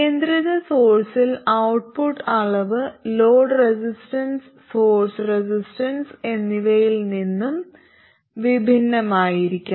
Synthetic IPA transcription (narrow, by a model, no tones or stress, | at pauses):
keːnd̪ɾɐðɐso̞ːrsilɐwʈ̚puʈːɐɭɐʋɨlo̞ːɖresisʈɐns | so̞ːrsresisʈɐnse̞nːiʋɐjilninːum | ʋibʱinːɐmaːjiɾikʲːum